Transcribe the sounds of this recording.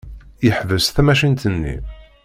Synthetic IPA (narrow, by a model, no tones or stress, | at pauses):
jəħvəsθæmæʃint̪ənːḭ